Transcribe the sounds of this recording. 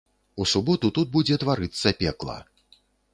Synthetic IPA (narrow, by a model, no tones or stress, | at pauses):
usubɔt̪ut̪ud̪̚bud͡zʲɛt̪vaɾɨt̪sːɐpʲɛklˠɐ̰